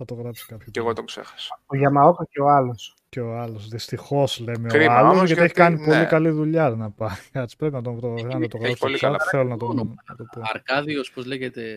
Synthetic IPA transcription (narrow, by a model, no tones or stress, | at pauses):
θɐt̪oɣɾɐpsi̥kɐpçoeɣot̪oksḛxɐ̥soʝɐmɐokɐceo̞ɐlo̞s | ceoɐlosðist̪ixo̞sle̞meoiɐlosʝɐtieçi̥kɐnipo̞likɐliðuʎɐnɐpɐɾiɐt͡si̥pɾe̞pinɐt̪̬ompɾoɐnɐt̪oɣɾɐpskt̪θelonɐt̪onɐt̪opoɐɾkɐðiospozleʝet̪e̞